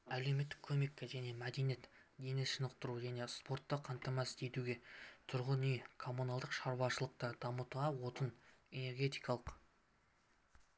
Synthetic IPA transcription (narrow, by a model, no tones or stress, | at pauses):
ælewme̞t̪ːɪkʲʰɵme̞kʲːeʒæne̞mæd̪e̞nijet̪d̪e̞nɪʃənəq̚t̪əɾuʒæne̞spo̞rt̪ːəqʰɑnt̪ɑmɑst̪ʰet̪uɡʲe̞t̪ʰʊɾʁənikʰo̞munɑlˠd̪əqʃɑɾwɑʃəlˠəq̚t̪əd̪̥ɑmət̪uʁɑwo̞t̪əne̞ne̞ɾɡʲe̞t̪ijkɑlˠəq